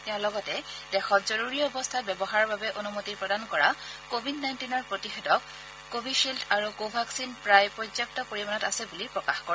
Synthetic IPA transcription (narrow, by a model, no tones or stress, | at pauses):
tɛʊ̃lɔɡɔtɛdɛxɔtzɔɹuɹiɔɔbɔstʰatbɛbɔɦaɹɔbabɛʔonumotipɹɔdankɔɹakobʱidnajntinɔɹpɹotixedɔkː | obʱiʃiltʰaɹuɡobʱaksinpɹajpɹɔzɔk̚tɔkoɹimanɔtasɛbulipɹɔkaxkɔɹɛ